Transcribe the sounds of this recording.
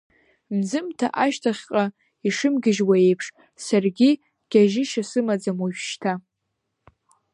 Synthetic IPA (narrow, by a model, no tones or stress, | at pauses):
mzɨmtʰaʔaʃtʰaχʲqʼa | iʂɨmɡʲɪʒwae̞jpʰʂ | sarɡʲi | ɡ̥ʲaʒɪʃasɨmad͡zamwaʒᶣʃtʰa